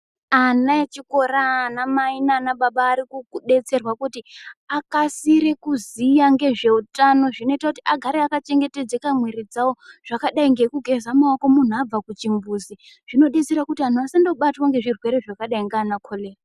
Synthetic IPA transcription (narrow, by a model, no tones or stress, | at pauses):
anaet͡ʃiko̞ɾanamainanaɓaɓaːɾikukuɗe̞t͡se̞rwakutiakasiɾe̞kuzijaŋɡe̞ʐe̞utano̞ʐino̞itakutiaɡʱaɾeakat͡ʃe̞ŋɡe̞te̞d͡ze̞kamweɾid͡zawoʐ̥akaɗaiŋɡe̞kuɡʱe̞zamaoko̞mun̤uab͡vakut͡ʃimbuːzi | ʐ̥ino̞ɗe̞t͡se̞ɾakutian̤uasando̞ɓatwaŋɡe̞ʐirwe̞ɾe̞ʐakaɗaiŋɡaːnakʰo̞le̞ːra